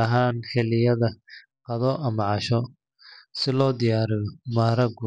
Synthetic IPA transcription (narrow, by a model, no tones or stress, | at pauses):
ɐɦaːnkʰɛlɪjɐðɐ | qɑðɔʔɐmɐʕɑʃɔ | sɪlɔːd̪ɪjaːɾɪɣɔmaːɾɐɡʊ